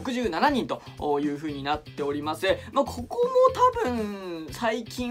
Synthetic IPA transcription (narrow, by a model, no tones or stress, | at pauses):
okɯ̟ʑɨːnanaɲ̟ĩnt̪o̞oːjɯ̟ːɸɯ̟ːɲ̟inat̪ːe̞o̞ɾʲimasɨmakʰo̞komot̪abɯ̟̃ɴ̃saikʲĩ